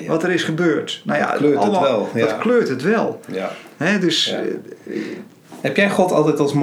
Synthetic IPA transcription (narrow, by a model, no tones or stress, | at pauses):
ʋɔtəɾɪsχəbøːrtnaja̰løɛlˠdɔtkløːtətʋɛlˠhɛdøs | hɛpjɛjχɔtɔ̰lˠtɛtɔlˠsm